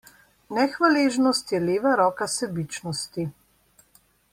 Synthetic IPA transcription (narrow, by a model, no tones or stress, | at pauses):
nɛxʋaleːʒnɔst̪jɛleːʋaɾɔːkasɛbit͡ʃnɔst̪i